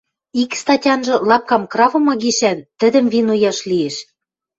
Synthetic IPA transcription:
ikst̪ɑtʲɑnʒɤ̆lɑp̚kɑmkrɑvɤ̆mɑɣiʃænt̪ə̆d̪ə̆mvinojɑʃlieʃ

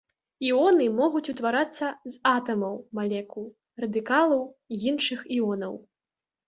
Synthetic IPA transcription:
iɔnɨmɔɣut͡sʲut̪vaɾat̪sːɐzat̪ɐmɐwmalʲɛku | rɐd̪ɨkalˠɐwjinʂɨxiɔnɐw

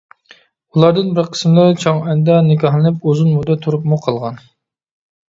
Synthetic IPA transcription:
ulˠɑɾd̪ɨnbɪɾqʰə̥smlˠɨɾt͡ʃʰoŋɛnd̪ɛnɪkʲɑɦlˠɨnɨpozunmud̪ɛt̪ʰuɾupmuqʰɑlˠʁɑn

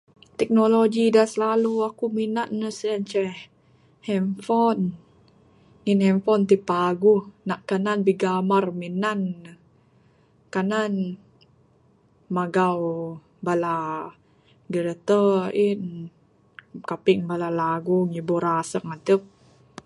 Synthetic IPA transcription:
t̪ɛk̚noloɡidasəlaluakuminannəsənt͡ʃɛh | hɛmfɔn | inhɛmfɔnt̪ipaɡuhnaʔkananbiɡamarminanə | kanan | maɡaw | bala | ɡəɾət̪əin | kapiŋbalalaɡuŋiboɾasəŋat̪əp̚

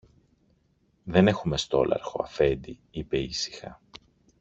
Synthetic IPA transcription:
ðe̞ne̞xume̞st̪o̞̰lɐ̰ɾxo̞̰ɐ̰fe̞nd̪i | ipe̞isi̥xɐ̰

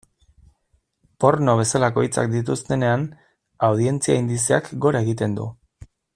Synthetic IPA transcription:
po̞ɾno̞β̞e̞salako̞it͡sa̰kd̪it̪̬ust̪e̞ne̞an | awð̞ie̞nt͡siaind̪iseakɡo̞ɾae̞ɣit̪e̞nd̪ṵ

